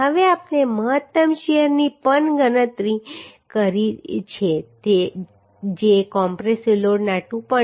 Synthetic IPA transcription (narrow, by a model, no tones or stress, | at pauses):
ɦəʋeapneməɦət̪ːəmʃɛjəɾnipənɡənət̪ɾikəɾit͡ʃʰet̪e | d͡ʒekɔmpɾesʋiloɽnaʈũpə